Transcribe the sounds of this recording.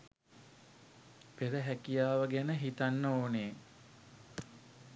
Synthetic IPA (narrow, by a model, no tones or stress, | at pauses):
peɾəɦækijaːʋəɡænəɦit̪anːəoːneː